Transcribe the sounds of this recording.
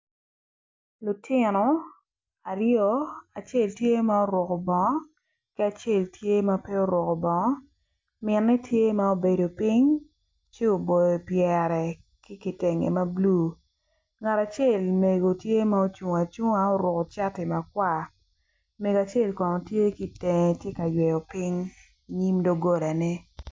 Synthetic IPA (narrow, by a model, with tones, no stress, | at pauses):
lʊ˨tʰɪ˦˨nɔ˨ | a˨ɾjɔ˦a˨t͡ʃe˦˨ltje˦ma˦o˦ɾwʊ˨ko˨bɔ˨ŋɔ˦ | ki˦a˨t͡ʃe˦˨ltʰje˦ma˦pe˦o˦ɾɔ˨kɔ˨bɔ˨ŋɔ˦ | mɪ˨nːɛ˦tʰje˦ma˦o˦be˨do˨pi˦ɲ | t͡ʃe˦o˨bo˨jɔ˨pjɛ˨ɾɛ˨ | kɪ˦ki˨te˨ŋḛ˨ma˦bluː˦˨ | ŋa˨ta˨t͡ʃe˦˨lme˨ɡo˨tje˦ma˦o˦t͡ʃu˨ŋa˨t͡ʃu˦ŋ˦a˦o˦ɾʊ˨ko˨t͡ʃa˦tɪ˨ma˨kwa˦˨ | me˨ɡa˨t͡ʃe˦˨lkɔ˨nɔ˨tje˦ki˨te˨ŋe˨tje˦ka˨jwɛ˨jɔ˨pi˦ŋ | i˨ɲi˦mdo˦ɡo˦ɾa˨nɛ˦